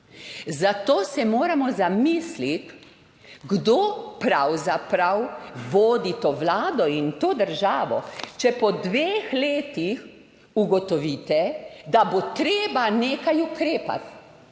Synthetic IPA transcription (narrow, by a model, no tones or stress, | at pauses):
zat̪oːsɛmoːɾamɔzamiːslit̪ | ɡd̪oːpɾawzapɾawʋoːd̪it̪oːʋlaːd̪ɔint̪oːd̪əɾʒaːʋɔ̰t͡ʃɛpɔd̪ʋeːxleːt̪ix | uɡɔt̪ɔʋiːt̪ɛd̪abot̪ɾeːbaneːkajukɾeːpa̰t̪